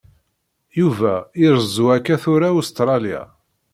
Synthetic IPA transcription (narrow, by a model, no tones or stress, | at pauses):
juvæɪɾəzuækæθʊɾaust̪ɾˤɑlja̰